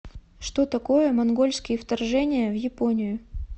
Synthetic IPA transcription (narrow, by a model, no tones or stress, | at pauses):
ʂt̪ot̪ɐko̞jəmɐnɡo̞lʲskʲɪjəft̪ɐrʐɛnʲɪjəvjɪponʲɪjʊ